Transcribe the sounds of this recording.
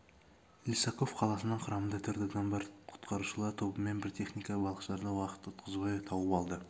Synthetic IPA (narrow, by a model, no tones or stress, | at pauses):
lʲisɑko̞fqʰɑlˠɑsənəɴqʰʊɾɑmənd̪ɑt̪ʰʏɾd̪ɪd̪ɑnbɑɾqʰʊ̥t̪qʰɑɾuʃəlˠɑɾt̪ʰo̞bəme̞nbɪɾt̪ʰe̞χnijkɑbɑlˠəqʃlˠɑɾd̪ɑwɑqə̥t̪ʊt̪̚qʰəzbɑjɑt̪ʰɑwəpɑlˠd̪ə